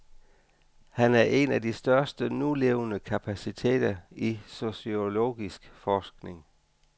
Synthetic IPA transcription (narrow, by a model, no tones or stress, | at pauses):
hænæɐʔe̝næd̥isd̥ɶɐsd̥ənule̝ʊnəkʰæpʰæsit͡sʰe̝̰ːd̥ɐiso̝sio̝lo̝̰ːɡ̥isɡ̥fɒːsɡ̥ne̝ŋ